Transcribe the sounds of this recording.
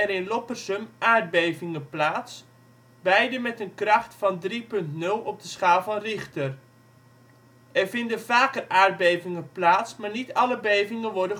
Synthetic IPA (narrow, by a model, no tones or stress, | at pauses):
ɛɾɪnlɔpərsəmʔaːɹd̚bejvɪŋəplaːts | bɛjdəmɛtənkrɑχtfɑndripɵntnɵlˠɔb̚dəsχaːlˠvɑnrɪχtər | ɛrvɪndənvaːkəraːɹd̚bejvɪŋəplaːtsmaːɹnitɑləbejvɪŋənʋɔɹdə